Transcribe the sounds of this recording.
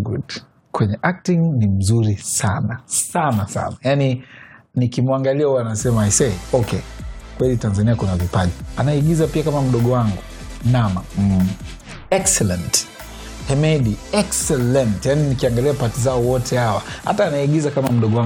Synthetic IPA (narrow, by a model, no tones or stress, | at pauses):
ɡṵt | kwɛɲɛʔak̚tiŋnim̩zuɾisanasanasa̰najaninikimwaŋɡaliauaanasɛmaisɛiɔkɛkwɛlitanzaniakunavipaʄianaiɡizapiakamam̩ɗɔɠɔwaŋɡu | nama | ɛksɛlɛnt | hɛmɛɗiɛksɛlɛntjaninikiaŋɡaliapatizaɔwɔtʰɛhawaha̰taːnaiɡizakamam̩ɗɔɡɔwa